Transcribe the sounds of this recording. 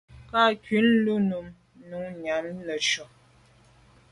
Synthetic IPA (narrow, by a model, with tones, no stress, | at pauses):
ka˦˨kɥi˨˦nlu˦nu˨m | nu˨˦ɲa˨˦mlə˨ʃɔ˨